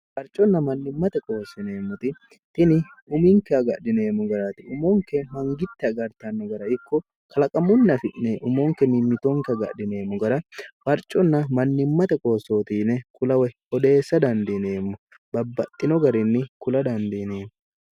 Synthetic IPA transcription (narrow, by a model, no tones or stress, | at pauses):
fɐɾt͡ʃʼɔnːɐmɐnːɪmːɐt̪ɛkʼo̞ːsːɪne̞ːmːʊt̪ɪ | t̪ɪnɪʊmɪŋkɛɐɡɐdɪne̞ːmːʊɡɐɾat̪ɪʊmoːŋkɛmɐŋɡɪt̪ːɛɐɡɐɾt̪ɐnːɔɡɐɾɐɪkːɔ | kʰɐlɐkʼɐmʊnːɐfɪʔnɛʔʊmoːŋkɛnɪmːɪt̪oŋkɛɐɡɐ̰dɪne̞ːmːʊɡɐɾɐfɐɾt͡ʃʼːɔnːɐmɐnːɪmːɐt̪ɛkʼo̞ːsːo̞ːt̪iːnɛkʼʊlɐwɛhɔd̪e̞ːsːɐd̪ɐnd̪ɛne̞ːmːʊ | bɐbːɐt̪ʼːɪnɔɡɐɾɪnːɪkʊlɐd̪ɐnd̪ineːmːʊ